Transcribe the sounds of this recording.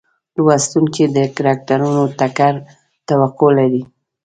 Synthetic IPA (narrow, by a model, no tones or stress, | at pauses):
lwast̪uŋked̪əkaɾɑk̚t̪aɾunot̪akaɾ | t̪awaqolaɾi